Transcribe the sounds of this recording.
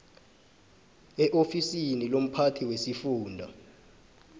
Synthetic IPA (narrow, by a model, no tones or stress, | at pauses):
ɛʔofisinilom̩pʰatʰiwesifuːndʱa̰